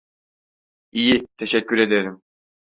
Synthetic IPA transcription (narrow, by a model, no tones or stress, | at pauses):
ijit̪ʰeʃɛcʰːyɾe̞d̪eɾim